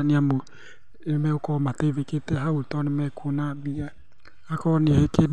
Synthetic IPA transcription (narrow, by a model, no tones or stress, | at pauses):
niamo | emɛokɔmateveketɛɦautɔnemɛkunabia | akɔnieke